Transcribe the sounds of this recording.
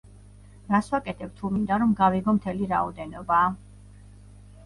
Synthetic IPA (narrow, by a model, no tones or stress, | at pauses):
ɾaswakʼɛt̪ʰɛb̚t̪ʰumind̪aɾɔmɡaviɡɔmt̪ʰɛliɾaɔd̪ɛnɔbaː